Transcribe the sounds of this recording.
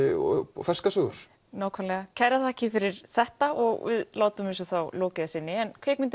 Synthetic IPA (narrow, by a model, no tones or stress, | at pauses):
fɛ̥skasœːɣʏɾ̥ | naːwkʰvalɛɣacʰajɾaθaɛhcɪfɪɾɪɾ̥θɛht̪aʔɔɣvɪ̰ðlaːwt̪ʏmɪsʏθawloːcɪðasɪnːɪɛnkʰveːkmɪnt̪ɪ